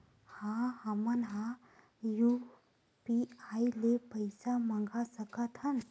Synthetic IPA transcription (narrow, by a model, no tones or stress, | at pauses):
hãhəmənɦã | ju | piailepəjsamãŋɡasəkət̪ʰən